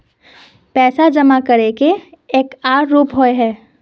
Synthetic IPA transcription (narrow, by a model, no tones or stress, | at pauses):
pɛːsad͡ʒɐmakɐɾekeeːkaːɾːuːpɦoeɦɛː